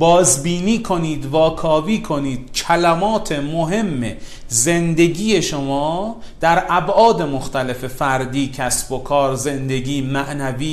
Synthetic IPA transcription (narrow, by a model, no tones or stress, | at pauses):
bɒːzbiːniːkʰo̞niːd̪vɒːkʰɒːviːkʰo̞niːd̪̥̚cʰælæmɒːt̪ʰe̞moɦe̞mːḛ | ze̞nd̪e̞ɟiːje̞ʃomɒːd̪̥æɾʔæbʔɒːd̪e̞moxt̪ʰæle̞fe̞fæɾd̪iːcʰæsb̥o̞kʰɒːɾze̞nd̪e̞ɡiːmæʔnæviː